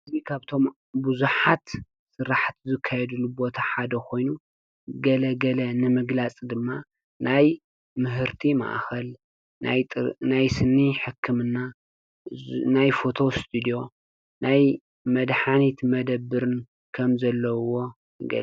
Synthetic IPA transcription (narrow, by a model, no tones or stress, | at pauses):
ʔɨzikʰaβt̪ʰo̞m | buzuħat̪ | sɨɾaħt̪zɨkʰːajɛd̪ɨlːubo̞t̪ʰaħad̪ɐkʰo̞jnu | ɡɐlɐɡɐlɐnɨmɨɡlat͡sʼd̪ɨmːa | naj | mɨɦɨɾt̪ʰima̰ʔxɐl | najʼnajsɨnːiħɨkʰːɨmɨnːa | najfo̞t̪ʰo̞st̪ʰɨd̪ijo̞ | naj | mɐd̪ħanit̪mɐd̪ɐbːɨɾɨn | kʰɐmzɐlːɐwo̞ | ɡɐ̰l